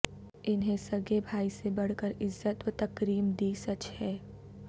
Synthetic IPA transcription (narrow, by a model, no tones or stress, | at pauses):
ɪnɦẽsɐɡebʱaːisebɐɽ̤kəɾɪzːət̪wət̪ɐkɾiːmd̪iːsɐt͡ʃhɛː